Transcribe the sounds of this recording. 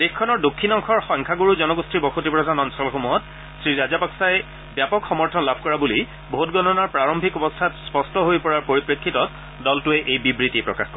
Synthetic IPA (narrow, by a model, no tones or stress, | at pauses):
d̥exkʰːɔnɔɹdokʰːinɔŋkʰɔɹxɔŋkʰaɡoɹuzɔnɔɡustʰɹibɔxotipɹɔtanɔnsɔlɔxomuɦɔt | sɹiɹazapaksaj | bjapɔkxɔmɔɹtʰɔnlabʱkɔɹabuli | bʱotɡɔnɔnaɹpɹaɹɔmbʱikɔbɔstʰatspɔstɔɦojpɔɹaɹpoɹipɹekʰːitɔt | dɔltʊɛʔejbibɹitipɹɔkaxkɔ